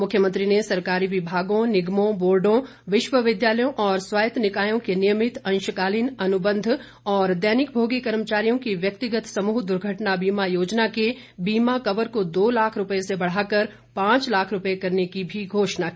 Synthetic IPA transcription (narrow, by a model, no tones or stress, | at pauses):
mʊkʰːjəmə̃nt̪ɾinesɐɾkaːɾiʋɪbʱaːɡõnɪɡmõboːɾɖõ | ʋɪʃʋəʋɪd̪jaːləjõʔɔːɾswaːjət̪nɪkaːjõkenɪjəmɪt̪ɐ̃nʃəkaːliːnɐnʊbə̃nd̪ʱ | ɔːɾd̪ɛːnɪk̚bʱoːɡikɐɾmət͡ʃaːɾijõkiʋjɐk̚t̪ɪɡət̪sɐmuːɦd̪ʊɾɡʱəʈnabiːmajoːd͡ʒnake | biːmakɐʋəɾkod̪oːlaːkʰɾʊpəesebɐɽ̤aːkɐɾ | pãːt͡ʃlaːkʰɾʊpekɐɾnekibʱiɡʱoːʃnakiː